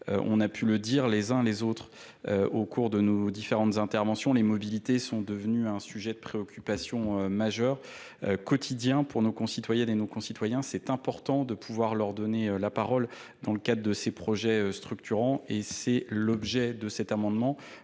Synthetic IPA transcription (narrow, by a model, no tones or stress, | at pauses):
ø̰ʔɔ̰̃napʰyləd̪iʁlezɛ̃lezot̪χ | øokuʁd̪ənod̪ifeʁɑ̃t̪zɛ̃t̪ɛʁvɑ̃sjɔ̃lemɔbilit̪esɔ̃d̪əvnyɛ̃syʒɛd̪əpχeɔkʲʰypasjɔ̃ømaʒœʁ | økɔt̪ʰid̪jɛ̃puʁnokɔ̃sit̪wajɛnenokɔ̃sit̪wajɛ̃sɛt̪ɛ̃pɔʁt̪ɑ̃d̪əpʰuvwaʁlœʁd̪ɔneølapaʁɔl | d̪ɑ̃ləkad̪ʁəd̪əsepχɔʒɛøst̪χyk̚t̪ʰyʁɑ̃esɛlɔbʒɛd̪əsɛt̪amɑ̃d̪mɑ̃